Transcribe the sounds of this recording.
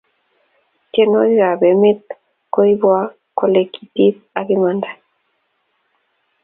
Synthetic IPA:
kenojɣabemet̪ | kojβoa | kolekit̪it | aβimand̪a

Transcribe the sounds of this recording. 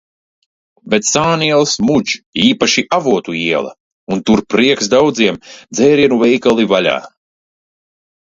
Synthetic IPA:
bet̪saːniɛlˠsmud͡ʒiːpaʃiʔavuɔt̪uiɛlˠɐ̰ | unt̪uɾpɾiɛksd̪awd̪ziɛmd̪zɛːɾiɛnuvɛjkalˠivalʲa̰ː

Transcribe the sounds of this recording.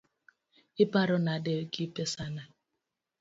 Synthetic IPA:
ɪpaɾʊnaadekipesana

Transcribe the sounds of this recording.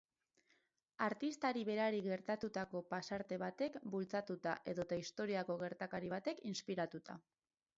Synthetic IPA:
aɾt̪ist̪aɾiβe̞ɾaɾiɣe̞ɾt̪at̪ut̪ako̞pasaɾt̪e̞βat̪e̞kbult͡sat̪ut̪a̰ʔe̞ðo̞t̪aist̪o̞ɾiakoɣe̞ɾt̪akaɾiβ̞at̪e̞kinspiɾat̪ut̪a̰

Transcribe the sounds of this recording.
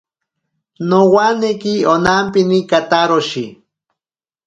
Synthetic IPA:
nowanekionampinikat̪aɾoʃi

